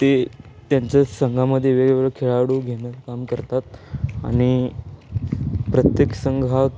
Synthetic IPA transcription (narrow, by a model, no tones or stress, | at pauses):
t̪et̪jãɲt͡ɕjasəŋɡʱaməd̪ʱːjeʋeɡeʋəɾkʰeɭaɽuːɡʱenətkamkəɾt̪at̪a̰ɽ̃i | pɾət̪jeksəŋɡʱa